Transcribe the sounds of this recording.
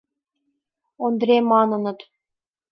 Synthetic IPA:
ond̪ɾʲemɑnɤ̆nɤ̆t̪

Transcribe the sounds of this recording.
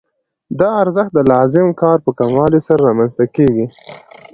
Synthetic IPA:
d̪ɑaɾzəxt̪̚d̪əlɑzɪmkɑɾpəkamwɑlisaɾaɾɑmanzt̪akeɡi

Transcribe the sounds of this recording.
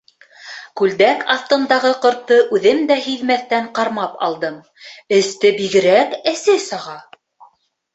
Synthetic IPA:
kʉld̪ækʰɑθt̪ɤ̆nd̪ɑʁɤqɤ̆ɾt̪ːɤʔʉðɘmd̪æhiðmæθt̪æɴqɑɾmɑpɑ̰lˠd̪ɤm | ɘ̆st̪ɘbiɡɘ̆ɾækɘsɘsɤ̆ʁɑ

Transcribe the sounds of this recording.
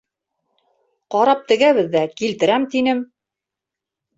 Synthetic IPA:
qɑɾɑp̚t̪ɘ̆ɡæβɘ̆ðːækilt̪ɘ̆ɾæmt̪inɘm

